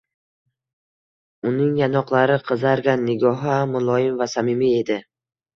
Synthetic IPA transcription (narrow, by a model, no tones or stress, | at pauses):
ʊnɪŋjanɒqlˠaɾɪqʰɨzaɾɡʲanːɪɡʲɒɦamʊlˠɒjɪmvasamɪmie̞d̪ɪ